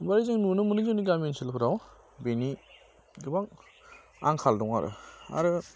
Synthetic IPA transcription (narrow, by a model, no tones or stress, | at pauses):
baɾizɯŋnunɯmunɯzɯniɡamensilpʰɯɾaw | beni | ɡɯbaŋ | a̰ŋkʰaldɔŋa̰ɾɯ̰a̰ɾɯ